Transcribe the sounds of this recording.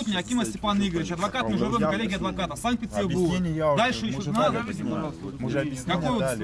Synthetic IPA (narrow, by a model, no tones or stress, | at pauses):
ut̪ʲɪnʲɐkʲimɐsʲtʲɪpaniɡəɾʲɪt͡ɕɐd̪vɐkat̪mʲɪʐɨvɨmkɐlʲːeɡʲɪɐd̪vɐkat̪əsank̚pʲɪt̪ʲɪrbud̪alʲʂɨɪʃoad̪vʲidʲɪmɐɐokɐkojot̪